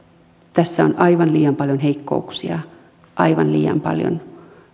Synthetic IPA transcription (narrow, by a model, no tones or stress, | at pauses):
t̪æsːæonʔɑiʋɑnliːɑmpɑljonheikːouksiɑ | ʔɑiʋɑnlḭːjɑ̰mpɑ̰ljo̰n